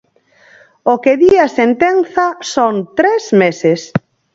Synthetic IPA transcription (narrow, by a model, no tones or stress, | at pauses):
okeðiɐsent̪enθɐsont̪ɾezmeses